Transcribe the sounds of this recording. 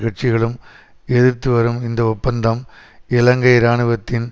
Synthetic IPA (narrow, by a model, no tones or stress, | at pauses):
ɣɐɾt͡ʃɪɣɐɭɯm | ɛðɯɾt̪ːɯʋɐɾɯmɪnd̪ɐɔpːɐnd̪ɐm | ɪlɐŋɡɐɪɾaːɳɯʋɐt̪ːɪn